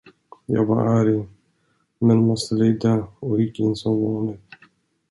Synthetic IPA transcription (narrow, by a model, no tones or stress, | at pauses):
jɑ̰ːɡvɑ̰ɾʔæːɾɪŋ | mɛnmɔst̪əleːd̪aɔɪkːɪnsɔmvɔːnət̪